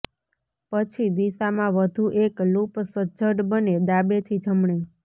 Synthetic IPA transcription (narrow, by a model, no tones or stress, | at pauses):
pət͡ʃʰid̪isamãʋəd̪ʱuʔeklupsəd͡ʒʱəʈbəned̪abet̪ʰid͡ʒʱəmɳe